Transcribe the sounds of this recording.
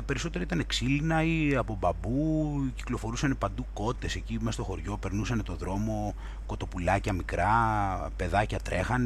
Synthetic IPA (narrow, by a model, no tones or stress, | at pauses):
pe̞ɾiso̞t̪e̞ɾɐit̪ɐne̞ksilinɐiɐpo̞bɐbuci̥klo̞fo̞ɾusɐne̞pɐnd̪uko̞t̪ːe̞se̞cimest̪o̞xo̞ɾʝo̞pe̞ɾnusɐne̞t̪o̞ðɾo̞mo̞ | ko̞t̪o̞pulɐcɐmikɾɐpe̞ðɐcɐt̪ɾʔe̞xɐn